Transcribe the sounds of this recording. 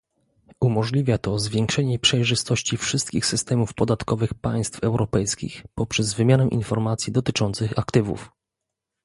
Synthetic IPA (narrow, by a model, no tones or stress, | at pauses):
umɔʐlʲivʲjat̪ɔzvʲjɛŋkʂɛɲɛpʂɛjʐɘst̪ɔɕt͡ɕifʂɘst̪kʲixsɘst̪ɛmufpɔd̪at̪kɔvɘxpaj̃st̪fɛwɾʔɔpɛjskʲḭxpɔpʂɛzvɘmʲjanɛʔḭnfɔɾmat̪sʲjid̪ɔt̪ɘt͡ʂɔnt̪sɘxakt̪ɘvṵf